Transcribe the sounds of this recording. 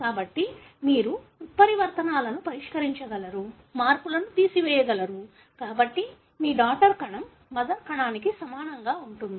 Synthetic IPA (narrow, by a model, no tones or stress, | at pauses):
kaːbɐʈːi | miːɾu | ut̪̚pɐɾiʋɐɾt̪ɐnaːlɐnupɐɾiʂkɐɾiɲt͡ʃɐɡɐlɐɾu | maːɾpulɐnut̪iːsiʋɛːjɐɡɐlɐɾu | kaːbɐʈːi | miːɖaːkʈɐɾkɐɳɐmː | ɐd̪ɐɾkɐɳaːnikisɐmaːnɐŋɡaːuɳʈund̪ii